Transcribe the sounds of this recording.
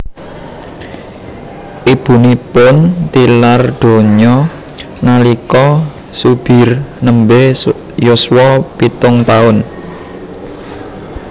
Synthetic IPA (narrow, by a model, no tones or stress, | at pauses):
ʔib̥ṳnipʊnt̪ilard̪̥o̤ɲɔ | nalikɔ | sub̥ɪ̤rnəmbe | jʊswɔpit̪ʊŋt̪aʊn